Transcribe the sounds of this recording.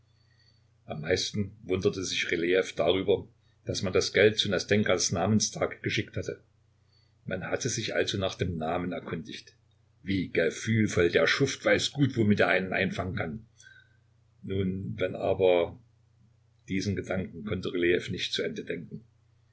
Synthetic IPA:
ʔamːaɪstn̩vʊndɐtəzɪçʁeleɛfd̥aːʁyːbɐ | d̥asmandasɡ̥ɛlt̚t͡suːnasd̥ɛŋkɐsnaːmənstʰaːkɡ̥əʃɪk̚thatə | manhatəzɪçʔa̰lzoːnaːχd̥eːmnaːmənɛɐkʰʊndɪçt | viːɡ̥əfyːlfɔldeːɐʃʊftv̥aɪsɡ̥uːtv̥omɪteːɐʔaɪnənʔa̰ɪnfaŋənkʰan | nuːnvɛnʔa̰ːbɐ | d̥iːzn̩ɡədaŋkŋ̩kʰɔntəʁeleɛfnɪçtt͡suʔɛndədɛŋk̚ŋ̩

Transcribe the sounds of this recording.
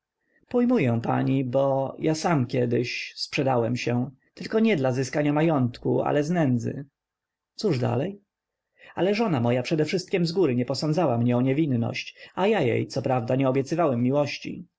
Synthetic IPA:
pɔjmujɛ̃pa̰ɲibɔjʔasamkʲɛd̪ɘɕspʂɛd̪awɛmɕɛ̃ | t̪ɘlkɔɲɛd̪lazɘskaɲamajɔnt̪kṵa̰lɛznɛnd̪zɘ̰ | t̪suʐd̪a̰lɛj | a̰lɛʐɔnamɔjapʂɛd̪ɛfʂɘst̪̚kʲɛmzɡuɾɘɲɛpɔsɔnd̪zawamɲɛɔɲɛvʲinːɔ̰ɕt͡ɕajajḛjt̪sɔpɾavd̪aɲɛɔbʲjɛt̪sɘvawɛmːiwɔɕt͡ɕḭ

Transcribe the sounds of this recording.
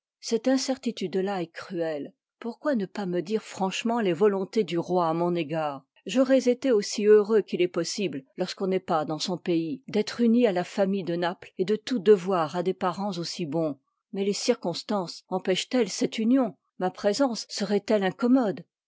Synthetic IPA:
sɛt̪ɛ̃sɛʁt̪it̪yd̪laɛkχyɛl | puʁkwanəpaməd̪iʁfχɑ̃ʃmɑ̃levɔlɔ̃t̪ed̪yʁwaːmɔ̃neɡaːʁ | ʒɔʁɛzet̪eosiøʁøkilɛpɔsibllɔʁskɔ̃nɛpad̪ɑ̃sɔ̃peid̪ɛt̪χynialafamijd̪ənapled̪ət̪ud̪əvwaʁad̪epaʁɑ̃zosibɔ̃ | mɛlesiʁkɔ̃st̪ɑ̃sɑ̃pɛʃt̪ɛlsɛt̪ynjɔ̃ | mapχezɑ̃sːəʁɛt̪ɛlɛ̃kɔmɔd̪

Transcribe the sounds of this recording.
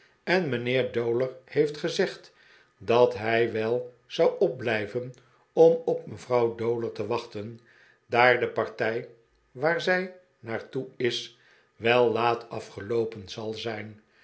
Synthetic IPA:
ɛnmənɪːɹdowləɹhejftχəzɛχt | dɑtɦɛjʋɛlˠ | z̥ɑwɔp̚blɛjvən | ɔmɔpməvrɑwdowləɹtəʋɑχtən | daːɹdəpɑɹtɛj | ʋaːɹzɛj | naːɹtuɪs | ʋɛlˠːaːtʰɑfχəlowpənzɑlˠzɛjn

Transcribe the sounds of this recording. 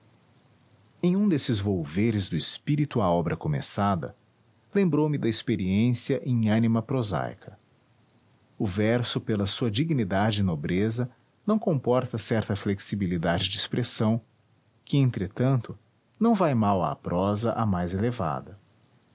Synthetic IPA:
ẽj̃ũd̪esɪzvowveɾɪzd̪ʊispiɾit̪ʊaɔbɾɐkomḛsad̪ɐ̰ | lẽmbɾowmɪd̪ɐispeɾiẽsiɐʔẽj̃ɐnimɐpɾoza̰jkʰɐ | ʊvɛɾsʊpelɐsuɐd͡ʒiɡinid̪ad͡ʒɪːnobɾezɐ | nɐ̃w̃kõpɔɾt̪ɐsɛɾt̪ɐfleksibilid̪ad͡ʒɪd͡ʒɪispɾʔesɐ̃w̃ | kɪẽnt̪ɾet̪ɐ̃nt̪ʊ | nɐ̃w̃vajmawɐ̰pɾʔɔzɐʔɐmajzeleva̰d̪ɐ

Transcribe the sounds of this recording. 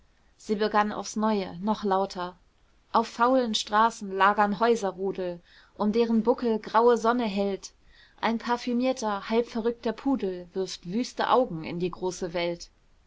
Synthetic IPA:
z̥iːbəɡana̰ʊfsnɔʏənɔχlaʊtʰɐ | ʔaʊfːaʊlənʃtʁ̥aːsn̩laːɡɐnɦɔʏzɐʁuːdl̩ | ʔʊmdeːʁənbʊkl̩ɡʁaʊəzɔnəɦɛlt | ʔaɪnpʰaɐfymiːɐtʰɐhalpfɛɐʁʏk̚tɐpʰuːdl̩vɪɐftv̥yːstə̰ʔaʊɡŋ̩ɪ̰ndiːɡʁoːsəvɛlt

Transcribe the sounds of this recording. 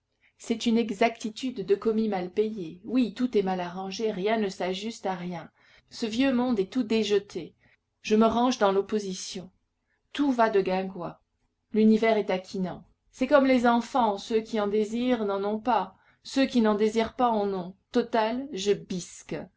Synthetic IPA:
sɛt̪ynɛɡzak̚t̪it̪yd̪ːəkɔmimalpejewit̪ut̪ɛmalaʁɑ̃ʒeʁjɛ̃nəsaʒyst̪aʁjɛ̃ | səvjømɔ̃d̪ɛt̪ud̪eʒət̪ʰe | ʒ̥əməʁɑ̃ʒd̪ɑ̃lɔpozisjɔ̃ | t̪uvad̪əɡɛ̃ɡwa | lynivɛʁɛt̪akʲʰinɑ̃ | sɛkɔmlezɑ̃fɑ̃søkʲiɑ̃d̪eziʁnɑ̃nɔ̃pa | søkʲinɑ̃d̪eziʁpaɑ̃nɔ̃t̪ɔt̪alʒəbisk

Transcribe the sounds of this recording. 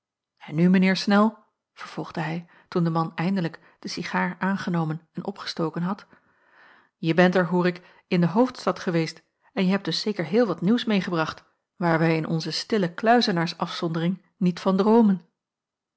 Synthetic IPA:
ɛnːymənɪːɹsnɛlˠ | v̥əɹv̥ɔlˠχd̥əɦɛj | tundəmɑnɛjndələk | d̥əsiχaːɹʔaːnχənowmənɛnʔɔ̰pχə̥stowkənɦɑt | jəbɛntɛɹɦuːɹɪk | ɪndəɦowftstɑtχəʋejst | ɛnjəɦɛp̚d̥ɵsːejkəɹɦɪːlˠʋɑtniwsmejχəbrɑχt | ʋaːɹʋɛjɪnʔɔ̰nzəstɪləklœɥzənaːɹsɑfsɔndərɪŋ | nitfɑndrowmən

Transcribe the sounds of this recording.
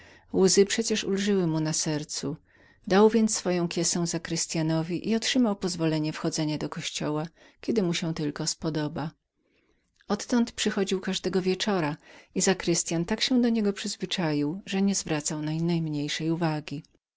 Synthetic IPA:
wuzɘpʂɛt͡ɕɛʂulʐɘwɘmunasɛɾt̪su | d̪awvʲjɛnt̪ssfɔjɔ̃w̃kʲjɛsɛ̃w̃zakɾɘst̪janɔvʲiʔiɔtʂɘmawpɔzvɔlɛɲɛfxɔd̪zɛɲad̪ɔkɔɕt͡ɕɔwa | kʲɛd̪ɘmuɕɛ̃t̪ɘlkɔspɔd̪ɔba | ɔt̪ːɔnt̪pʂɘxɔd͡ʑiwkaʐd̪ɛɡɔvʲjɛt͡ʂɔɾaizakɾɘst̪jant̪akɕɛd̪ɔɲɛɡɔpʂɘzvɘt͡ʂajiwʐɛɲɛzvɾat̪sawnajnajmɲejʂɛjuvaɡʲi

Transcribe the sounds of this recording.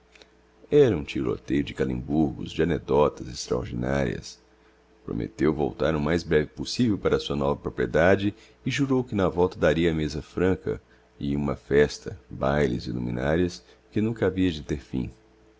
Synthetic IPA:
ɛɾɐũt͡ʃiɾo̰t̪ejʊd͡ʒɪkalḭ̃buɾɡʊ̰zd͡ʒɪaned̪ɔt̪ɐzɪst̪ɾa̰o̰ɾd͡ʒina̰ɾḭɐ̰s | pɾo̰mḛt̪ewvo̰wt̪aɾʊmajzbɾɛvɪposivewpaɾɐsuɐnɔvɐpɾopɾied̪ad͡ʒɪ | ɪʒuɾowkɪnɐvɔwt̪ɐd̪aɾiɐːmezɐfɾɐ̃kɐ̰ | ɪũmɐfɛst̪ɐbajlɪzɪlṵmḭ̃naɾiɐs | kɪnũkɐaviɐd͡ʒɪt̪eɾfḭ̃

